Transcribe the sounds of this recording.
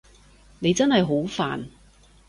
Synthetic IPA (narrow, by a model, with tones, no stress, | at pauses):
ne˨˧jt͡sɐ˥nɦɐ˨jɦo˨˥wfa̰ː˨n